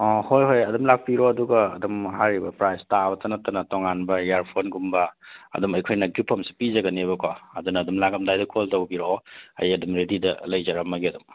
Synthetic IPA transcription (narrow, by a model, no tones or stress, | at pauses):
ɔhojɦojɐdumlak̚piɾoɐduɡɐːdumɦaɾibɐpɾajstabɐtɐnɐtːɐnɐtoŋanbɐjaɾpʰonɡumbɐɐ̰dumɐjkʰojnɐɡipʰːɐmsi̥pizɐɡɐniebɐkoɐdunɐːdumlaɡɐmdajdɐkʰoltɐwbiɾoɐ̰jɐdumɾididɐ̰lɐjzɐɾɐmːɐɡiɐdum